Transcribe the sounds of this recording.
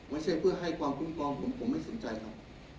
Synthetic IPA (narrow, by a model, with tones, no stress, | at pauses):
ma˧˥˩t͡ɕʰa˥˩jpʰɯ˥˩ɐɦa˥˩jkwaː˧mkʰu˧˥˩nkʰɔː˧ŋpʰo˩˦mpʰo˩˦mːa˥˩jso˩˦nt͡ɕa˧jkʰa˦˥p̚